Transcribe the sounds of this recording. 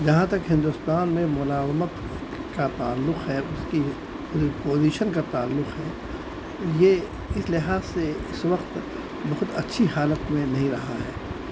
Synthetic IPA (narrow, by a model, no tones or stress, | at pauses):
d͡ʒɐɦãt̪ɐkɦɪ̃nd̪ʊst̪aːnmẽmʊlaːzmət̪ | kat̪aːlːʊqɦɛːʊski | poːziːʃənkat̪aːlːʊqɦɛː | je | ɪslɪɦaːzseɪsʋɐqt̪ | bɐɦʊt̪ɐtːʃʰiɦaːlət̪mẽnɐɦĩɾɐɦaɦɛ̰ː